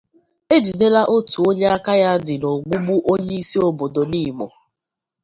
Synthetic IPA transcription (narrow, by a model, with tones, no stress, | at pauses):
e˦d͡ʒi˨ne˦la˦ʔo˦tu˨o˦ɲe˦a˦ka˦ja˦dɪ˨no˨ɡ͡bu˦ɡ͡bu˦ʔo˦ɲe˦i˦si˦o˨bo˨do˨ni˦˨mo̰˨